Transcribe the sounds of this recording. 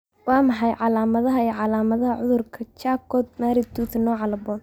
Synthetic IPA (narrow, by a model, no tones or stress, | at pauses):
wɑːmɑħɑjʕɑlaːmɐðɐɦɐiːʕɑlaːmɐðɐɦɐʕʊðʊrkʰɐt͡ʃaːkɔːd̪̚maːɾɪt̪ʰuːt̪nɔːʕɑlɐbɔːn